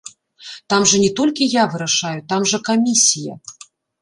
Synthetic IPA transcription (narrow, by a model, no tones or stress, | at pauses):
t̪amʐɐnʲɛt̪ɔlʲkʲijavɨɾaʂajut̪amʐɐkamʲisʲijɐ̰